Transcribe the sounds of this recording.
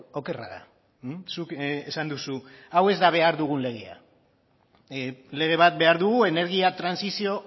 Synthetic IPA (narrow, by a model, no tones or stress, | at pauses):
o̞ke̞raða̰ | sukesand̪usuawe̞zd̪aβ̞e̞aɾðuɣ̞unle̞ɣ̞ea̰ | le̞ɣ̞e̞β̞at̪̚be̞aɾðuɣue̞ne̞ɾɣ̞iat̪ɾansisio̞